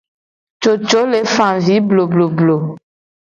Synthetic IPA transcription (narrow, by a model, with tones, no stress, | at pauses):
t͡ʃo˨t͡ʃo˨˦le˨fã˨vi˨˦blo˨blo˨blo˨